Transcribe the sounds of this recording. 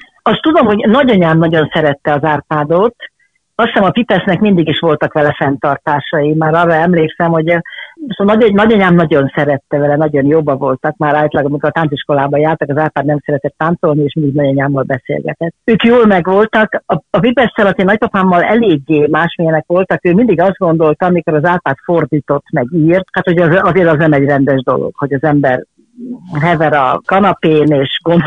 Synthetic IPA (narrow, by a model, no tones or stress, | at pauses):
ɒst̪ːud̪o̞mɦo̞ɟnɒɟɒɲaːmnɒɟo̞nsɛɾɛt̪ːɛɒzaːrpaːd̪ot̪ | ɒsɛmɒpipɛsnɛkmind̪iɡiʃʋo̞lt̪ɒkʋɛlɛfɛnt̪ɒrt̪aːʃɒjimaːɾɒːrːɒɛmleːksɛmho̞ɟsnɒnɒɟɒɲaːmnɒɟo̞nsɛɾɛt̪ːɛvɛlɛnɒɟo̞njoːbːɒvo̞lt̪ɒkmaːɾaːjt̪lɒɡɒmikort̪aːnt̪siʃko̞laːbɒjaːrt̪ɒkɒzaːrpaːd̪nɛmsɛɾɛt̪ɛt̪ːaːnt̪so̞lnieːʃmind̪iɡnɒɟɒɲaːmːɒlbɛsḛːlɡɛ̰t̪ɛt̪ːøːkjoːlmɛɡʋo̞lt̪ɒkɒːvibɛst̪ɛlɒt̪enɒc̚pɒpaːmːɒlɛleːɡːeːmaːʃmijɛnɛkʋo̞lt̪ɒkøːmind̪iɡɒzd̪̚ɡo̞n̪d̪o̞lt̪ɒɒmiko̞ɾɒzaːlpaːt̪fo̞rd̪iːt̪o̞t̪ːmɛɡiːrt̪hat̪ho̞ɟɛzɒzeːɾɒznɛmɛɟrɛnd̪ɛʒd̪o̞̰lo̰ɡ̥ho̞ɟɒzɛmbɛr | ɦɛvɛɾɒ̰kɒnɒpeːneːʃɡon